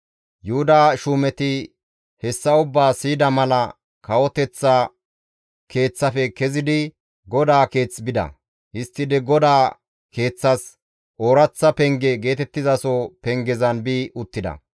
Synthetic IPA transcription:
juhʊd̪aːʃuːmɛt̪ɪ | hɛsːɐʊbːaːsiːd̪ɐmɐlɐ | kɐwɔt̪ɛt͡sːɐ | kʰe̞ːt͡sːɐfɛkɛzɪd̪ɪ | ɡɔd̪aːke̞ːt͡sːbɪd̪ɐ̰ | hɪst̪ːɪd̪ɛɡɔd̪aː | ke̞ːt͡sːɐs | ʔoːɾɐt͡sːɐpɛŋɡɛɡe̞ːt̪ɛt̪ːɪzɐsopɛŋɡɛzɐnbiːʔʊt̪ːɪd̪ɐ̰

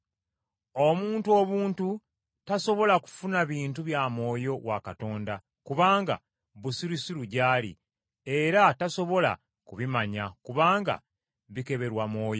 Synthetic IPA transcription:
o̞muːntuo̞βuːntu | taso̞βo̞laku̥funaβiːntuβjamo̞ːjo̞wakato̞ːnda | kuβaːŋɡa̰ | βusiɾisiɾuɟaːlḭ | e̞ɾataso̞βo̞la̰ | kuβimaɲakuβaːŋɡa̰ | βike̞βe̞ɾwamo̞ːjo

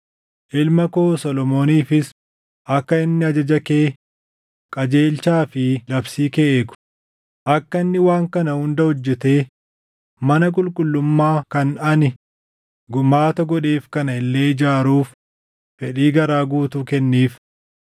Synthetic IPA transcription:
ʔɪlmɐkoːsɔlɔmo̞ːniːfɪs | ʔɐkːɐɪnːɪɐd͡ʒɐd͡ʒɐke̞ː | kʼɐd͡ʒe̞ːlt͡ʃaːfɪlɐbsiːkeːkʊ̥ | ʔɐkːɐɪnːɪwaːŋkɐnɐhʊnd̪ɐhɔd͡ʒːɛt̪e̞ː | mɐnɐk̬ʼʊlkʼʊlːʊmːaːkɐnɐnɪ | ɡʊmaːt̪ɐɡɔᶑeːfkɐnɐɪlːeːd͡ʒaːɾuːf | fɛᶑiːɡɐɾaːɡuːt̪ukɛnːiːf

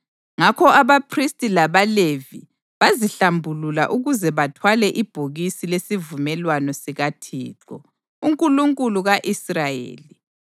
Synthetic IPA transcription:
ŋakʰɔʔaβapʰristʼilaβalevḭ | βaziɬambʱulula̰ʔuɣuzɛβatʰwalɛʔib̥ʱoɣisilesivumɛlwanɔsiɣatʰḭːǁɔ̰ | uŋkʼuluŋkʼuluɣaʔisrajḛːli

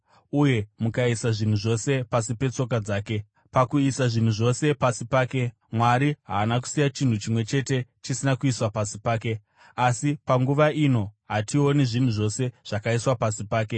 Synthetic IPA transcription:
uje̞mukaisaʐin̤uʐo̞se̞pasipe̞t͡so̞k̬ad͡zaːke̞ | pakuisaʐin̤uʐo̞se̞pasipaːke̞ | mwaɾiɦa̰ːnak̬u̥sijat͡ʃin̤ut͡ʃimwe̞t͡ʃe̞te̞t͡ʃisinakuiswapasipaːke̞ | asipaŋɡuʋaino̞ɦatio̞niʐin̤uʐo̞se̞ʐ̥akaiswapasipaːke̞

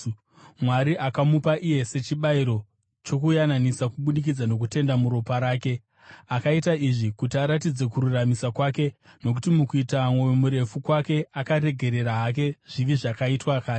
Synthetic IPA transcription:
mwaɾiʔakamupaʔije̞se̞t͡ʃiɓaiɾo̞ | t͡ʃo̞kujananisakuɓuɗik̬id͡zano̞k̬ute̞ndamuɾo̞paɾaːke̞ | akaitaiʐikutiaɾatid͡ze̞kuɾuramisakwaːke̞no̞k̬utimukuitamwowemuɾe̞fukwake̞akaɾe̞ɡʱe̞ɾe̞ɾaɦake̞ʐ̥iʋiʐakaitwakaː

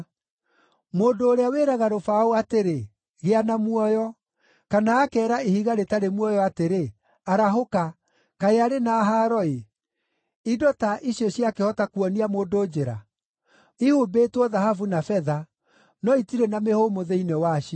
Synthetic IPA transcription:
moːndoːɾeaweːɾaɣaɾofaoateɾe | ɣeanamwɔjɔ | kanaːkɛːɾaehiɣaɾetaɾemwɔjɔateɾe | aɾaɦoka | kaeaɾenaːɦaːɾɔe | idɔtaʔiɕiɔɕjakehɔtakuɔniamoːdod͡ʑeɾa̰ | ihubeːtwɔðahafunafɛða | nɔitiɾɛnamehomoðeinewaʃi

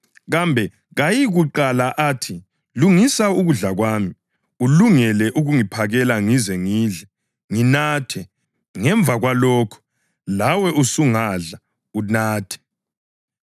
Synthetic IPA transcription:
ɣambʱɛ | ɣajiɣuǃalaʔaːtʰi | luŋisauɣuɮaɣwaːmi | uluŋɛlɛʔuɣuŋipʰaɣɛlaŋizɛŋiːɮɛ | ŋinaːtʰɛ | ŋɛɱb̪vʱaɣwalɔːkʰɔ̥ | lawɛʔusuŋaɮa | unaːtʰɛ̥

